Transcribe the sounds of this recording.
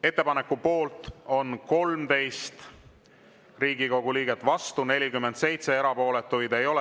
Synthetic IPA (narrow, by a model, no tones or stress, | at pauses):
e̞t̪ːe̞pɑne̞kːupo̞ːlt̪ˑo̞nko̞lmt̪e̞jst̪ | riːɡ̥iko̞ɡ̥uliːɡ̥e̞t̪ːˑvɑst̪une̞lʲikymːent̪se̞jt̪se̞e̞ɾɑpo̞ːle̞t̪ːˑujd̪e̞jo̞le